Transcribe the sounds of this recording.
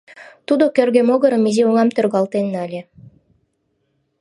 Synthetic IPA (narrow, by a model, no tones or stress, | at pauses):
t̪ud̪okʲørɣemoɣɤ̆ɾɤ̆mizeoŋɑmt̪ørɣɑlt̪enːɑlʲĕ